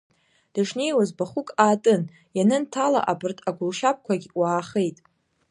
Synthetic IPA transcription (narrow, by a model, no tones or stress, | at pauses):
d̥aʂne̞jwazbaχʊkʼaːtʼɨn | janɨntʰala̰ʔabɨrtʰaɡʷʊlʃap̚kʷʰaɡʲwaːχejtʼ